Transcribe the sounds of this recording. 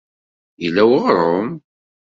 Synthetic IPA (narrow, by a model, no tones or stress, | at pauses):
ilːæwəʁɾˤom